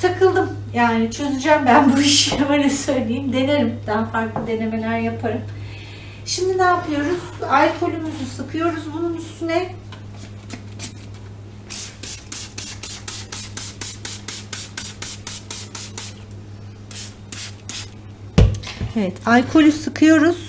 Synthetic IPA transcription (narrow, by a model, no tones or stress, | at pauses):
t̪ʰakʰɯlˠd̪ɯm | jaːnit͡ʃʰø̞zyd͡ʒambænbuiʃjamanɛsø̞jlʲejimd̪e̞nelʲimd̪̥ænfaɾklˠɯd̪e̞ne̞me̞lʲæɾjapʰaɾɯm | ʃimd̪inaːpʰlɯjo̞ɾuzalkʰo̞lʲymyzusɯkʰɯjo̞ɾuzbununyst̪ʰynɛ | evɛt̪ʰalkʰo̞lʲysɯkʰɯjo̞ɾuz̥